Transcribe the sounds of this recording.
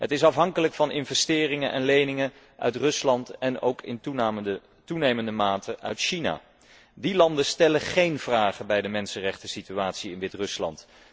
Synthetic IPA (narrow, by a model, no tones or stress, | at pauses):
ɦətɪsɑfɦɑŋkələkfɑnɪnvɛstɪːrɪŋənʔɛ̰nlejnɪŋə | ʔœ̰ɥtrɵslɑntɛno̰wkʰɪ̰n | tunejməndəmaːtʰəʔœ̰ɥtʃina̰ː | dilɑndəstɛləχejnv̥raːχəbɛjdəmɛnsənrɛχtəsityaːtsiɪnʋɪtrɵslɑ̰nt